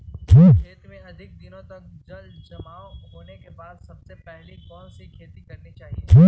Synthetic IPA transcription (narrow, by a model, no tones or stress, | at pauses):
ʈʰiːkʰeːt̪mẽɐd̪ʱɪk̚d̪ɪnõt̪ɐk̚ | d͡ʒɐl | d͡ʒɐmaːõɦoːnekebaːd̪sɐbsepɛɦlikɔːnsikʰeːt̪ikɐɾnit͡ʃaːɦieʈʰiː